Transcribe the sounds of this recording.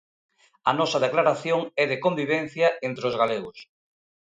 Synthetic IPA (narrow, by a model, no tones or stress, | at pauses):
ɐ̰nɔsað̞eklaɾaθjoŋɛðekombiβ̞ẽn̟θjɐent̪ɾeozɣaleɣos